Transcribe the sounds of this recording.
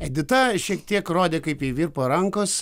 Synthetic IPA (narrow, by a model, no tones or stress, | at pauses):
ɛd̪ʲɪt̪ɐʃʲiɛkt̪ʲiɛkɾoːd̪ʲeːkɐɪpiʋʲiːɾpoːɾɐŋkoːs